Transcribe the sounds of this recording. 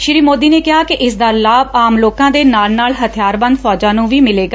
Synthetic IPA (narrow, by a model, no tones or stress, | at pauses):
ʃɪɾiːmoːd̪iːneːkɪɦaːkɪʔɪsd̪aːlaːbaːmloːkãːd̪eːnaːlnaːlɦət̪ʰɪjaːɾbə̃nd̪pʰɔːd͡ʒãːnũːʋiːmɪleːɡaː